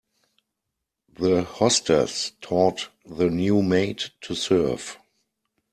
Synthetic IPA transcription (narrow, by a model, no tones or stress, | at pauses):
ðəhɔstʰə̰stʰɔːtðənjuːmeɪttʰːusɜ˞v̥